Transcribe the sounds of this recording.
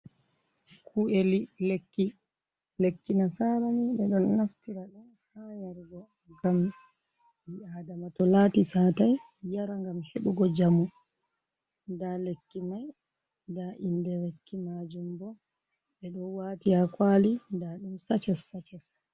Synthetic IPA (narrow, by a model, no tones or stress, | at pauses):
kʰuʔelilekːi | lekːinasaɾaniɓɛɗɔnːaftiɾaɗɔn | hajaɾɡɔ | ɡam | jiaːdamatɔlaːtisaːtaj | jaɾaŋɡamheɓuɡɔd͡ʒamu | ndalekːimaj | daʔindɛɾekʰːimad͡ʒumbɔ | ɓɛɗɔnwaːtiakwalidaɗumsat͡ʃɛsːat͡ʃɛs